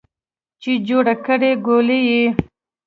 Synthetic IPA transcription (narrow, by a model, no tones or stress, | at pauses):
t͡ʃed͡ʒoɽakəɽeɡoleji